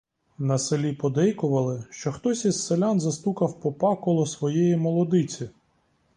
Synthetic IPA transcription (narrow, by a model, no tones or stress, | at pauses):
nɐselʲipɔd̪ɛjkʊʋɐlˠɪʃt͡ʃɔxt̪ɔsʲisselʲanzɐst̪ukɐwpɔpɑkɔlˠɔsʋɔjɛjimɔlˠɔd̪ɪt͡sʲi